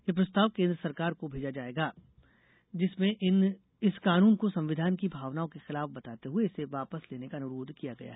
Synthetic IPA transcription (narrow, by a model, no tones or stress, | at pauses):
jep̬ɾɐst̪aːʋkẽːnd̪ɾəsɐɾkaːɾkobʱeːd͡ʒad͡ʒaːeːɡaː | d͡ʒɪsmẽɪn | ɪskaːnuːnkosɐ̃mʋɪd̪ʱaːnkibʱaːʋnaːõkexɪlaːfbɐt̪aːt̪eɦueɪseʋaːpəsleːnekanʊɾoːd̪ʱkijaɡɐ̰ja̰ɦɛ